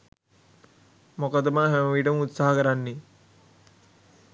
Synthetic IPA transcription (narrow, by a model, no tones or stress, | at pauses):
mokət̪d̪ɐmaːɦemɐʋiːʈɐmut̪saɦɐkəɾanːi